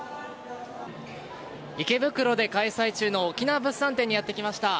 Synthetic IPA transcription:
ike̞bɯ̟kɯ̟ɾo̞d̪e̞kaisait͡ɕɨːno̞ːkʲinaːbɯ̟sːãnt̪ẽ̞ɲ̟ːijat̪ːe̞kʲimaɕi̥t̪a

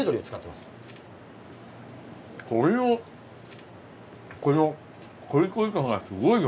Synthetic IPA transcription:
ed̪oɾiot͡sɨ̥kat̪ːemasɨ̥ | koɾio | koo | koɾʲikoikãŋɡasɨɡoi

